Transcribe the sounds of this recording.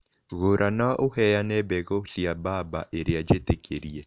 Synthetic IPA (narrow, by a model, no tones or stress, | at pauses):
ɣoɾʔanaʔohɛjanɛbɛɣosiababa̰ʔeɾead͡ʒetekʰeɾiɛ